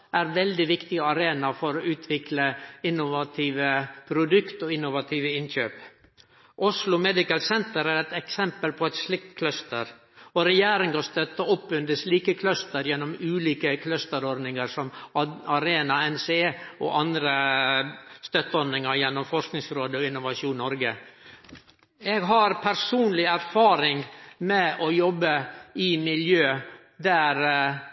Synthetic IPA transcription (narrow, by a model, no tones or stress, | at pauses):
ʔæɾʋɛld̪ɪʋɪkt̪ɪɡəɑɾeːnɑfɔɾɔʔʉːt̪ʰʋɪkləɪnːʊʋɑt̪ʰiːʋəpʰɾʊd̪ʉkt̪ɔɪnːʊʋɑt̪ʰiːʋəɪnçøːp | ʔʊslʊmɛd̪ɪkəlsɛnt̪əɾæɾɛt̪ɛksɛmpəlpʰɔɛt̪slɪk̚t̪kʰlœst̪əɾ | ɔɾɛjæːɾɪŋɑst̪œt̪ːəɔpːʉnd̪əsliːkəkʰlœst̪əɾjɛnːɔmʉːliːkəkʰlœst̪əɾɔɾd̪nɪŋəɾsɔmɑɾeːnɑɛnseɔ̰ʔɑnd̪ɾə | st̪œt̪ːəɔd̪nɪŋɑɾjɛnːɔmfɔʂknɪŋsɾoːd̪əɔɪnːʊʋɑʂuːnnːɔɾɡə | ɛɡɦɑɾpʰæɾsuːnlɪæɾfɑːɾɪŋmɛʔɔjɔbːəɪmɪljøː | d̪æːɾ